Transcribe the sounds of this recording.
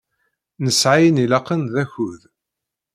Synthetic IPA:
nəsʕajnilɑqːənðæçuð

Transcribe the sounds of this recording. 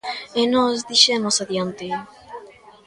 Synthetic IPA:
enɔzðiʃemosaðjant̪e

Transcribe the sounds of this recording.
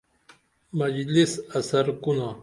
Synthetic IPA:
mɐd͡ʑlisɐsɐɾkuna

